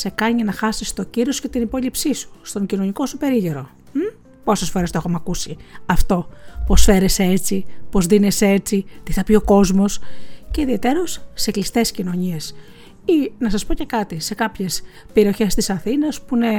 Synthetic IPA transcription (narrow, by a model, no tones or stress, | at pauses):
se̞kɐɲinɐxɐsist̪o̞ciɾiosce̞t̪inipo̞ʎipsisu̥st̪o̞ɲɟino̞ɲiko̞supe̞ɾiʝeɾo̞ | po̞se̞sfo̞ɾest̪oexomɐkusiɐft̪o̞po̞sfe̞ɾe̞see̞t͡sipo̞zðine̞see̞t͡sit̪iθɐpio̞ko̞zmo̞sce̞iðie̞t̪e̞ɾo̞sːeklist̪e̞scino̞ɲie̞s | inɐsɐspo̞ce̞kɐt̪ise̞kɐpçe̞s | pe̞ɾio̞çe̞st̪isɐθinɐspune̞